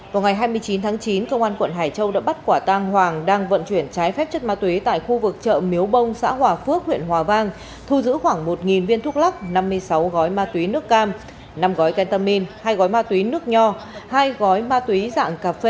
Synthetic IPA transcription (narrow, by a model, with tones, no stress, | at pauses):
vaː˨˩wŋa˨˩jɦaː˧jmɨ˧əjt͡ɕi˨˦nt̪ʰaː˨˦ŋt͡ɕi˨˦nkə˧wŋ͡mʔaː˧nkwə̰˧˨nɦaː˨˩jt͡ɕə˧wɗa̰ː˧˥ɓa˦˥t̚kwaː˧˩t̪a˧ŋɦwaː˨˩ŋɗaː˧ŋvə̰˧˨nt͡ɕwi˧˩ənt͡ɕaː˨˦jfɛ˦˥p̚t͡ɕə˦˥t̚maː˧t̪wi˨˦t̪a̰ː˧˨jxu˧vɨ˨˩k̚t͡ɕə̰ː˧˨mi˨˦əwɓə˧wŋ͡msa̰ː˧˥ɦwaː˨˩fɨ˦˥ək̚hwḭ˧˨ənɦwaː˨˩vaː˧ŋ | t̪ʰu˧zɨ̰˧˥xwaː˧˩ŋmo˨˩t̚ŋi˨˩nvi˧ənt̪ʰu˦˥k̚la˦˥k̚na˧mːɨ˧əjsa˨˦wɣɔ˨˦jmaː˧t̪wi˨˦nɨ˦˥əkːaː˧m | na˧mɣɔ˨˦jkɛ˧nt̪aː˧mi˧nhaː˧jɣɔ˨˦jmaː˧t̪wi˨˦nɨ˦˥ək̚ɲɔ˧haː˧jɣɔ˨˦jmaː˧t̪wi˨˦za̰ː˧˨ŋkaː˨˩pfe˧